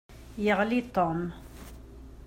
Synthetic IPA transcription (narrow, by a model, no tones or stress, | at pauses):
jəʁlit̪ɔm